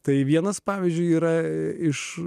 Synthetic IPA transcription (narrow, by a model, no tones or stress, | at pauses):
t̪ɐɪʋʲiɛnɐspɑːʋʲiɪzʲd͡ʒʲʊɪiːɾɐɪʃ